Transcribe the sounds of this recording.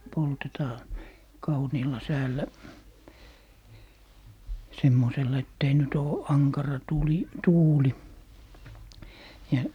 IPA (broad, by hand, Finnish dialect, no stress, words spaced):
poltetɑː kɑuniːlːɑ sæːlːæ semːoselːɑ etː ei nyt oː ɑŋkɑrɑ tuˑli tuːli jɑ